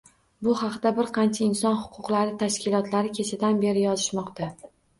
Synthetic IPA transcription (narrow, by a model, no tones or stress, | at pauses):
bʊhɑqd̪abɪɾqʰɑnt͡ʃʰaɪnsɒnhʊ̥qʰʊqlaɾɪt̪ʰaʃkʲɪlˠɒt̪laɾɪkʲʰe̞t͡ʃʰad̪anbe̞ɾɪjɒzɪʃmɒqt̪a